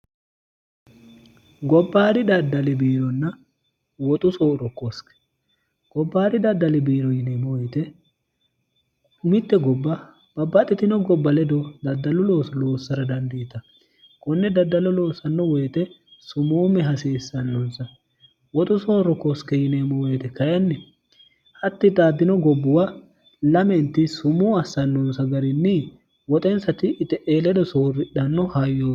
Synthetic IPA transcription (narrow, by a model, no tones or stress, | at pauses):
ɡɔbːaːɾɪd̪ɐd̪ːɐlɪbiːɾɔnːɐ | wɔt̪ʼʊsoːɾɔkːɔskɛ̥ | ɡ̥ɔbːaːɾɪd̪ɐd̪ːɐlɪbiːɾɔjɪnemɔjt̪ɛ | mɪt̪ːɛɡɔbːɐ | b̥ɐbːɐt̪ʼːɛt̪ɪnɔɡɔbːɐlɛd̪ɔd̪ɐd̪ːɐlʊloːsloːsːɐɾɐd̪ɐnd̪ɪɪt̪ɐ | kɔnːɛd̪ɐd̪ːɐlʊloːsːɐnːɔwɛjt̪ɛ | sʊmuːmɛɦɐsiːsːɐnːɔnsɐ | wɔt̪ʼʊso̞ːɾɔkɔskɛjɪneːmːɔweːt̪ɛkɐjɐnːɛ | hɐt̪ːɪd̪aːd̪ːɪnɔɡɔbːʊwa | lɐmɛnt̪ɪsʊmuːɐsːɐnːɔnsɐɡɐɾɪnːɪ | wɔt̪ʼɛnsɐt̪ɪʔɪt̪ɛʔeːlɛd̪ɔsoːrːɪᶑɐnːɔhɐjːoː